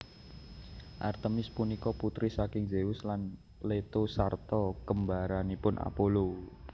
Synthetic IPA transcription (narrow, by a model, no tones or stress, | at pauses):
ʔa̰rt̪əmɪspunikɔput̪ɾisakɪŋd͡ʒeʊslan | let̪osart̪ɔkəmbaɾanipʊnʔa̰polo